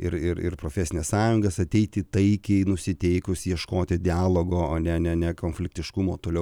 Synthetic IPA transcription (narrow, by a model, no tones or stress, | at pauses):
ɪɾɪɾɪ̰rpɾoːfʲɛsʲɪnʲɪsɑːjʊŋɡɐsɐt̪ʲɛɪt̪ʲɪt̪ɐɪkʲɛɪnʊsʲɪt̪ʲɛɪkʊsjiɛʃkoːt̪ʲɪd̪ʲɪɑːlˠoːɡoːɐnʲɛnʲɛnʲɛkoːnʲfʲlʲɪkt̪ʲɪʃkʊmoːt̪oːlʲɛʊ